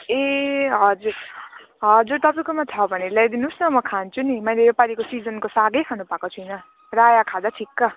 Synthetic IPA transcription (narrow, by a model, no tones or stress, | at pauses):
eɦʌd͡zur | ɦʌd͡zuɾt̪ʌpʌjkomat͡sʰʌbʱʌnelajd̪inusnʌmʌkʰant͡sʰunimʌjleepaɾikosid͡zʌnkosaɡʌjkʰanupakot͡sʰujnʌ | rajakʰad̪aʈʰikːʌ